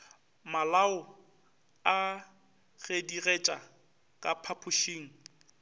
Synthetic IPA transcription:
malaʊ | a | ɣ̥ediret͡ʃʼa | kʼa̰pʰapʰʊʃiːŋ̩

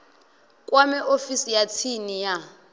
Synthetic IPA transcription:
kʼwamɛʔofisijat͡sʰinija

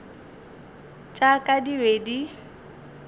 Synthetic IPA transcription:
t͡ʃʼakʼadiwedi

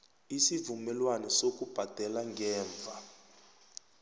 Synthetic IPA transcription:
isivumɛlwanɛsok̬ʼub̥ʱad̥ʱɛlaŋɡɛːɱb̪vʱa

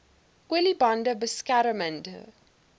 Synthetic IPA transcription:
kwɛlibãndəbəskaɾəmə̃nd̰

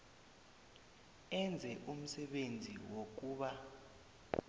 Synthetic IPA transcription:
ɛnd͡zʱɛʔum̩sɛɓend͡zʱḭwok̬ʼuːɓa

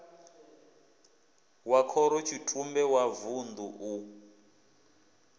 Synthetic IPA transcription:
wakʰɔɾɔt͡ʃʰitʰumbɛwavund̪uʔu

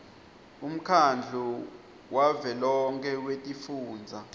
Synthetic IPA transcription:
um̩kʰand͡ɮʱu | wavɛlɔŋkʰɛwetʼifuːnd͡zʱa

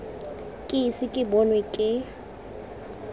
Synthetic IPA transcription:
kʼɪisɪkʼɪbɔnwɛkʼɪ

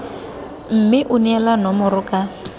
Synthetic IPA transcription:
m̩mɪʔʊnɛlanɔmʊrʊkʼa

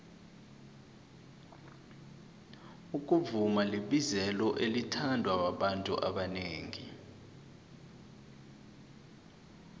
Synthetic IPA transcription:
uk̬ʼuvumaliɓizɛlɔʔelitʰandʱwawaɓantʼuʔaɓaneːŋḭ

